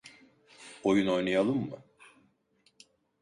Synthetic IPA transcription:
ojuno̞jnajalˠɯmːɯ

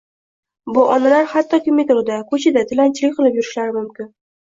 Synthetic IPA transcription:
bʊʔɒnalaɾhat̪ʰːɒkʲʰɪmet̪ʊɾd̪akʰɵt͡ʃʰɪd̪at̪ʰɪlant͡ʃʰlɪkʲqʰɨlˠɪpjʊɾɪʃlaɾɪmʊmkʲɪn

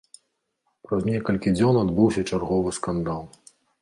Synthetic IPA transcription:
pɾɐzʲnʲɛkɐlʲkʲid͡zʲɔnad̪bɨwsʲɐt͡ʂarɣɔvɨskand̪alˠ

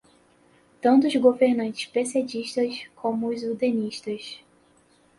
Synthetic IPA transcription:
t̪ɐ̃nt̪ʊzɡoveɾnɐ̃nt͡ʃɪ̥ʃpesed͡ʒiʃt̪ɐskʰõmʊʊzud̪ẽniʃt̪ɐs

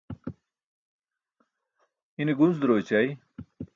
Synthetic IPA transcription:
iniɡunzd̪ɾoːt͡ɕɐj

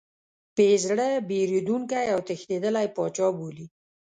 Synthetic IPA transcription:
pezɽəbeɾid̪uŋkajawt̪əxt̪ed̪əlajpɑt͡ʃɑboli

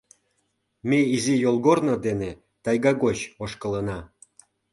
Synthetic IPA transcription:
meizijolˠɣornod̪ene | t̪ɑjɣɑɡot͡ɕoʃkələnɑ

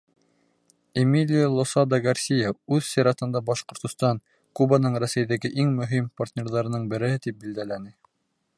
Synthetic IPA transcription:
emilʲilˠosɑd̪ɑɡaɾsʲijɑʉðsiɾɑt̪ɤ̆nd̪ɑbɑʃqŏɾt̪ŏst̪ɑn | kubɑnɤɴɾæsæjðæɡɘʔiŋmɵ̆ɦimpart̪ʲnʲeɾðɑɾɤ̆nɤɴbɘ̆ɾɘ̆hɘt̪ip̚bild̪ælænɘ

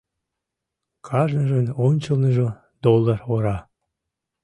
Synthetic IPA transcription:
kʰɑʒnəʒənonʲt͡ɕə̆lnəʒo | d̪olˠːɑroɾɑ

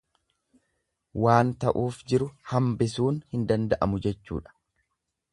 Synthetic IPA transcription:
waːnt̪ɐʔuːfd͡ʒɪɾʊhɐmbɪsuːnhɪnd̪ɐnd̪ɐʔɐmʊd͡ʒɛt͡ʃːṵːᶑɐ̥

